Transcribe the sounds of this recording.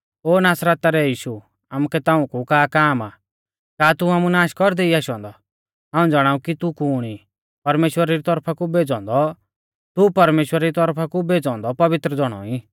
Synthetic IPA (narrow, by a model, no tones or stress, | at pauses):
oːnaːsɾət̪ːaɾɛjiːʃu | amukɛt̪aːũkukaːkaːmaː | kaːt̪uaːmunaːʃkɔɾd̪eiaːʃɔ̃ːnd̪ɔ | ɦaːũd͡zaɽ̃aːũkit̪ukuːɽ̃i | pɐɾmeːʃwəɾaɾit̪ɔɾpʰakubeːd͡zɔ̃ːnd̪ɔ | t̪upɐɾmeːʃwəɾaɾit̪ɔɾpʰakubeːd͡zɔ̃ːnd̪ɔpɐʋɪt̪ɾəd͡zɔɽ̃ɔ̰i